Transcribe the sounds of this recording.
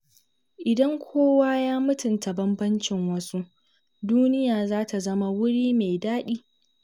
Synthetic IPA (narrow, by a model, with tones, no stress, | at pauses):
ʔɪ˨dɐ˦ŋkʷʰoː˦waː˦jaː˦mʊ˦tʊ˨nta˨bɐ˦mbɐ˦nt͡ʃɪ˨ŋwɐ˦su˦ʔ | duː˦nɪ˦jaː˨zaː˦ta˨zɐ˦ma˨wʊ˦ɽiː˦meː˨jdaː˦ɗiː˦